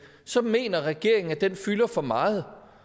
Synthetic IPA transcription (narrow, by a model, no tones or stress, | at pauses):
sɒ̽me̝̰ːnɐʁɛɡ̥e̝ɐ̰eŋ̩æd̥enfylɐfɒ̽mɑ̈ːð̩ˠ